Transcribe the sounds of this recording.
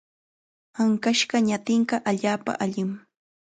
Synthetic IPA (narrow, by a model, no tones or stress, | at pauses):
aŋkaʃɢɑɲat̪ɪɴɢɑʔaʎaːpa̰ʔaʎɪm